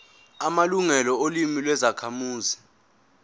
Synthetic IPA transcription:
amaluŋɛlɔolimilwɛzakʰamuːzi

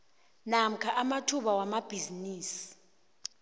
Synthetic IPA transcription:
nam̩kʰaʔamatʰuɓawamab̥ʱiziniːsi̥

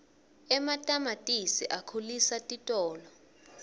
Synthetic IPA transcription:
ɛmatʼamatʼisiʔakʰulisatʼitʼɔːlɔ

